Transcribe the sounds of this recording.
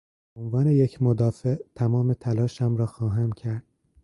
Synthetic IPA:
beonvɒːne̞jecʰmod̪ɒːfeʔt̪ʰæmɒːmet̪ʰælɒːʃæmɾɒːxɒːɦæmcʰæɾd̪̥

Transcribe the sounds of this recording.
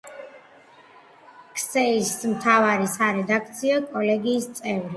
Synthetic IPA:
kʰsɛismt̪ʰavaɾisaɾɛd̪ak̚ʰt̪sʰiakʼɔlɛɡiːst̪sʼɛvɾi

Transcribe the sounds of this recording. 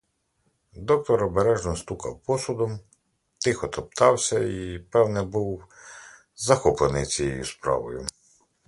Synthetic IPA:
d̪ɔk̚t̪ɔɾɔbeɾɛʒnɔst̪ukɐwpɔsʊd̪ɔm | t̪ɪxɔt̪ɔpt̪ɑwsʲɐipɛwnɛbuw | zɐxɔplˠenɪjt͡sʲijḛjṵspɾɑ̰ʋɔ̰jʊ̰

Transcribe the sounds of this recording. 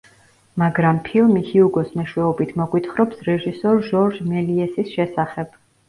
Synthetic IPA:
maɡɾampʰilˠmihiuɡɔsnɛʃwɛɔbit̪ʰmɔɡwit̪ʰχɾɔpsɾɛʒisɔɾʒɔɾd͡ʒmɛliɛsisʃɛsaχɛb̥

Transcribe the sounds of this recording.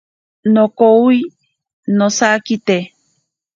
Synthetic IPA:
nõkoui | nosakit̪e

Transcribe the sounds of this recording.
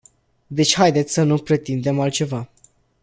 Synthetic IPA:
d̪e̞t͡ʃʲhajd̪et̪sʲsənupɾe̞t̪ind̪e̞malt̪t͡ʃe̞va

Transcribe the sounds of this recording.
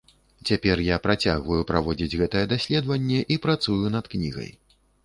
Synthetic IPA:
t͡sʲapʲɛrjapɾat͡sʲaɣvɐjupɾavɔd͡zʲid͡zʲɣɛt̪ɐjɛd̪asʲlʲɛd̪vɐnʲːɛʔipɾat̪sujun̪ɐt̪knʲḭɣɐ̰j

